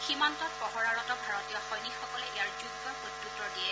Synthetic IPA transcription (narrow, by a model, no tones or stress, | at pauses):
ximantɔt̚pɔɦɔɹaɹɔtɔbʱaɹɔtijɔxɔjnikxɔkɔlɛʔejaɹzuɡɡɔɹkotːutːɔdiɛ